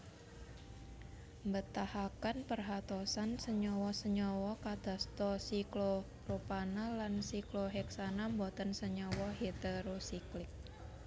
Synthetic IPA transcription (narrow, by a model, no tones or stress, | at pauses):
mbət̪ahakanpərɦat̪ɔsansəɲɔwɔsəɲɔwɔkad̪̥a̤st̪ɔsiklo | ropanalansikloɦɛksanambɔt̪ənsəɲɔwɔɦet̪əɾosiklɪk̚